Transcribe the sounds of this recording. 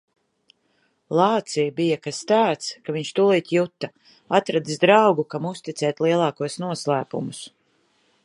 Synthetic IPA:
lˠɑːt̪sijbijakast̪aːt̪skaviɲʃt̪ulˠiːt̪ʲjut̪ːa | at̪ɾad̪isd̪ɾawɡukamust̪it̪sɛːt̪liɛlˠɑːkuɔsnuɔslˠæːpṵmus

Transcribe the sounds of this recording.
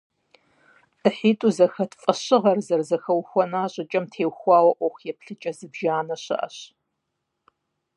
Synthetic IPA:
ʔɨħiːtʼuzɐxɐtʰfʼɐɕɨʁɐrzɐrzɐxɐwxʷɔnaːɕʼɪt͡ʃʼɐmtʰeːwxʷɑːwɐʔʷɔxʷjɛpɬɨt͡ʃʼɐzɨbʒaːnɐɕɐ̰ʔɐ̰ɕ

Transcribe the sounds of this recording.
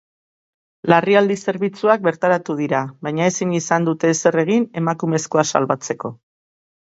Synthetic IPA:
lariald̪ise̞ɾβit͡suak̚be̞ɾt̪aɾat̪uð̞iɾaβajɲae̞sinisand̪ut̪e̞se̞re̞ɣ̞ine̞makume̞sko̞asa̰lβat͡se̞ko̞

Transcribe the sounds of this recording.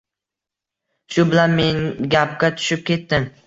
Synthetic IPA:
ʃʊbɪlanme̞nɡʲap̚kʲat̪ʰʊ̥ʃɪp̚kʲʰe̞t̪ːɪm

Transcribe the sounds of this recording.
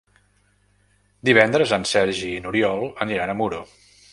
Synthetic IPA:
d̪iβ̞ɛnd̪ɾəzənsɛɾʒinuɾiɔlˠəniɾanəmuɾo

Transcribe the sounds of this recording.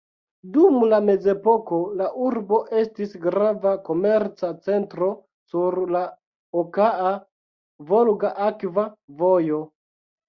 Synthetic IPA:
dumlame̞ze̞po̞ko̞laʔuɾbo̞ʔe̞stisɡɾavako̞me̞ɾt͡sat͡se̞ntɾo̞ | suɾla | okaa | vo̞lɡaʔakvavojo̞

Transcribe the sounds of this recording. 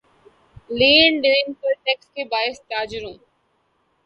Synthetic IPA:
liːɳɖeːnkoʈekskʰebaːɪst̪aːd͡ʒɪɾũː

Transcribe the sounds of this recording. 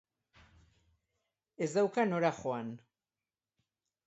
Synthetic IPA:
ezðawkanoɾaxoan

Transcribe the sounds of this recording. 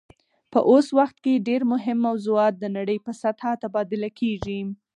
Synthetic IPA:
pə̰ʔoswaxt̪keɖeɾmʊɦɪmːawzuɑt̪̚d̪ənaɽəjpəsat̪hat̪abɑd̪ɪlakʰeʒi

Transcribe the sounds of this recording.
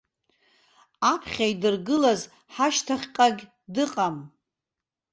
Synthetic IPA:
apʰχʲajdɨrɡɨlaz | ħaʃtʰaχʲqʼaɡʲ | dɨqʼam

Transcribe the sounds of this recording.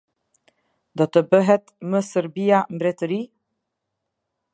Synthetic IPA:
d̪ɔt̪əbəɦɛt̪məsəɾbiambɾɛt̪əɾi

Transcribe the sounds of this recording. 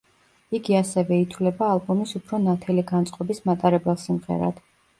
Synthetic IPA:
iɡiasɛvɛit̪ʰwlɛbaːlˠbɔmisupʰɾɔnat̪ʰɛliɡant̪sʼqʼɔbismat̪ʼaɾɛbɛlˠsimʁɛ̰ɾa̰d̪̥

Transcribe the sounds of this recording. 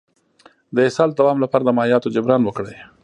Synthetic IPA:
d̪əɪsɑld̪awɑmlapɑɾad̪əmaijɑt̪od͡ʒʊbɾɑnwəkɽəj

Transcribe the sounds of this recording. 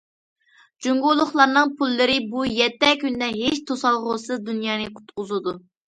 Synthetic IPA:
d͡ʒuŋɡʊlˠːʊχlˠɑɾnɨŋpʰulˠːɨɾɪbujɛt̪ːɛkʲynd̪ɛɦeʃt̪ʰosɑlˠʁʊsɨzd̪unjɑːnɨqʰʊ̥t̪̚qʊzɨd̪u

